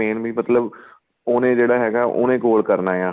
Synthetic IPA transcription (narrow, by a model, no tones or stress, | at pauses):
eːnbʱiːmət̪ləb | oːnẽːd͡ʒeːɽaːɦɛːɡaːʔo̰ːnẽːkoːlkəɾnaːjãː